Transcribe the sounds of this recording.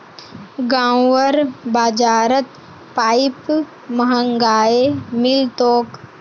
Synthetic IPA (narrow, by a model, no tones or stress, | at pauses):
ɡãːwʋəɾbaːd͡ʒaːɾət̪ | paːɪp | mɐɦəŋɡaːemɪlt̪oːk